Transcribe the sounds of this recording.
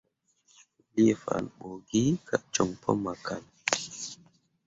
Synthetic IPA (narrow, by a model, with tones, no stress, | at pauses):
u˨li˦e˦˨fa̰˨nɓo˨ɡi˦kʰa˨t͡ʃɔ˨ŋpʰɔ˦ma˨kʰa˨n